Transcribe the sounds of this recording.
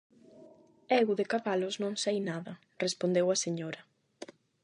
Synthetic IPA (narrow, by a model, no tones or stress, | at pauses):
ɛɣuðekaβalʊznõŋsajnaðɐ | respond̪ewɐseɲoɾɐ